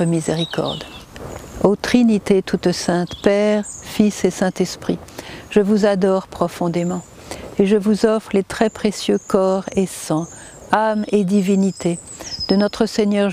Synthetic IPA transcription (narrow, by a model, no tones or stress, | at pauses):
əmizeʁikɔ̰ʁd̪ | ot̪χinit̪et̪ut̪sɛ̃t̪pɛʁfisesɛ̃t̪ɛspχiʒ̥əvuzad̪ɔʁpχɔfɔ̃d̪emɑ̃ | eʒəvuzɔfʁəlet̪χɛpχesjøkɔʁesɑ̃ | amed̪ivinit̪ed̪̥ənɔt̪χəseɲœʁ